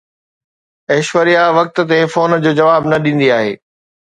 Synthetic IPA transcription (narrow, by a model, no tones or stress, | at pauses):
ɛːʃʋəɾijaʋɐk̚t̪̆t̪efoːnd͡ʑoːd͡ʑɐʋaːbnɐɗĩːn̆d̪iaːɦḛː